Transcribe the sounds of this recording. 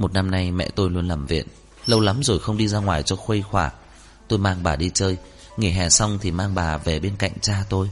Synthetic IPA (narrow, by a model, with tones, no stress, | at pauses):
mo˨˩t̚na˧mna˧jmɛ̰˧˨t̪o˧jlu˧ənlaː˨˩mvḭ˧˨ən | lə˧wla˨˦mzo˨˩jxə˧wŋ͡mɗi˧zaː˧ŋwaː˨˩jt͡ɕɔ˧xwe˧jxwaː˧˩ | t̪o˧jmaː˧ŋɓaː˨˩ɗi˧t͡ɕəː˧j | ŋi˧˩ɦɛ˨˩sa˧wŋ͡mt̪ʰi˨˩maː˧ŋɓaː˨˩ve˨˩ɓe˧nka̰˧˨jŋ̟t͡ɕaː˧t̪o˧j